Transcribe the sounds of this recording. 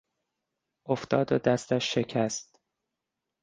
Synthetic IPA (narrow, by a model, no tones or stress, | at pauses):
ʔoft̪ɒːd̪od̪æst̪æʃːe̞cʰæst̪̚